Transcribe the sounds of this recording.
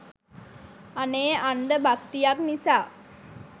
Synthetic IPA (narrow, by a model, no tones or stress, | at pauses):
aneːand̪əbakt̪ijaknisaː